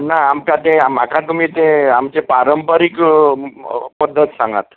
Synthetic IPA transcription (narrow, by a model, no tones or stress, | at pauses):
naamkat̪eamakʰat̪umiːt̪eamt͡ɕepaɾəmpəɾiːk | pəd̪ʱːət̪sãŋɡa̰t̪